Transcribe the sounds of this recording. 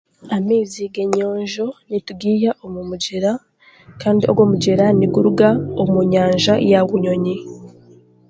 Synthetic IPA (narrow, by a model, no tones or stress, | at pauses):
amiːziɡeɲo̞ːɲʒo̞nituɡiːjaʔomumuɟeɾa | kaːndiʔo̰ɡwo̞ːmuɟeɾaniɡuɾuɡaomuɲaːɲʒajaɡuɲo̞ɲi